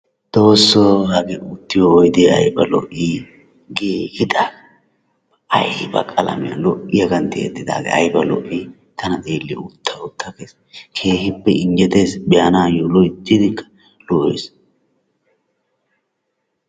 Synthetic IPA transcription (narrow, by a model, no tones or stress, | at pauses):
d̪̥o̞ːsːɔhɐɡɛʔʊt̪ːɪjɔːjd̪eɐ̰jbɐlɔ̰ʔːiː | ɡehɪd̪aːɡɐ | ɐ̰jbɐ̰kʼɐlɐ̰mɪjɐ̰lɔʔɪjɐɡɐnt̪ːɪɛ̰t̪ːɪd̪a̰ːɡɐ̰ɐ̰jbɐlɔ̰ʔi | t̪ʰɐnɐd̪eːlːɪʊt̪ʰːɐʊt̪ʰːɐkeːs | kʰe̞ːhɪpːɛɪnd͡ʒɛt̪e̞ːsbɪjanaːjolɔjd͡ʒɪd̪ɪkːɐ̥ | lɔʔḛs